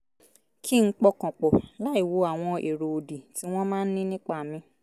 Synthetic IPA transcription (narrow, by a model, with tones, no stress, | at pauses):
kʰi˦ŋ̩˦k͡pɔ˦kɔ̃˨k͡pɔ˨la˦i˦˨wo˨˦a˨w̃ɔ̃˧e˨ɾo˨o˨di˨ti˨˦w̃ɔ̃˦mãː˦n̩˦nĩ˦nĩ˦k͡pa˦˨mĩ˧